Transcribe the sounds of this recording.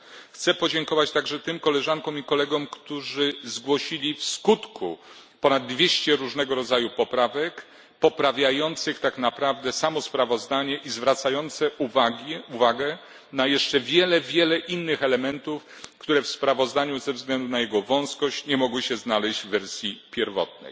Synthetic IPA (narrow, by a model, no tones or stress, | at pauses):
xt̪sɛpɔd͡ʑɛŋkɔvat͡ɕt̪aɡʐɛt̪ɘmkɔlɛʐankɔ̃mikɔlɛɡɔmkt̪uʐɘzɡwɔɕilʲifskut̪kʰṵ | pɔnad̪̚ːvʲjeɕt͡ɕɛɾuʐnɛɡɔɾɔd̪zajupɔpɾavɛk | pɔpɾavʲjajɔnt̪sɘxt̪aknapɾavd̪ɛsamɔspɾavɔzd̪aɲɛʔizvɾat̪sajɔnt̪sɛuvaɡʲuvaɡɛ | najɛʂt͡ʂɛvʲjɛlɛvʲjɛlɛʔinːɘxɛlɛmɛnt̪uf | kt̪uɾɛfspɾavɔzd̪aɲuzɛvzɡlɛnd̪unajɛɡɔvɔ̃w̃skɔɕt͡ɕɲɛmɔɡwɘɕɛznalɛʑd͡ʑvvɛɾsʲjipʲjɛɾvɔ̰t̪̚nɛ̰j